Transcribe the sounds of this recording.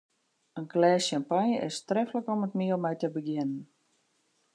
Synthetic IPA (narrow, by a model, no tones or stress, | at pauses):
ənklɛːsampanjəʔɪstrɛfləkɔmətmiəlˠmɛjtəbəɡjɪnən